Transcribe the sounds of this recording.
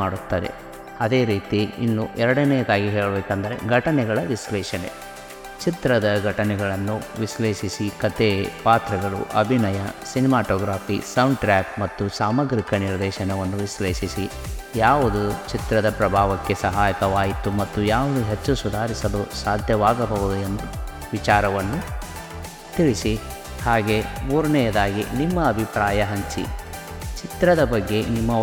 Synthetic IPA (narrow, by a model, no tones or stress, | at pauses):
aːɽut̪ːɐd̪e̞̰ | ɐd̪e̞ːɾiːt̪iḭnːuʔɛɾɐɽɐnɛjɐd̪aːɡiɦeːɭɐbeːkɐnd̪ɐɾe̞̰ɡʱɐʈɐnɛɡɐɭɐʋislɛːʃɐnḛ | t͡ʃit̪ɾɐd̪ɐɡʱɐʈɐnɛɡɐɭɐnːuʋisleːʃisikɐt̪epaːt̪ɾɐɡɐɭṵʔɐbʱinɐjɐsinimaːʈɔːɡɾaːfisɐwɳɖʈɾaːp̚mɐt̪ːusaːmɐɡɾikɐniɾd̪ɛːʃɐnɐʋɐnːuʋisleːʃisi | jaːʋud̪ut͡ʃit̪ɾɐd̪ɐpɾɐbʱaːʋɐkːe̞sɐɦaːjɐkɐʋaːjit̪ːumɐt̪ːujaːʋud̪uɦet͡ʃːusud̪ʱaːɾisɐlusaːd̪ʱjɐʋaːɡɐbɐʋud̪uend̪u | ʋit͡ʃaːɾɐʋɐnːu | t̪iɭisi | haːɡe̞muːɾɐnɛjɐd̪aːɡinimːɐːbʱipɾaːjɐɦɐɲt͡ʃḭ | t͡ʃit̪ɾɐd̪ɐbɐɡːe̞nimːɐ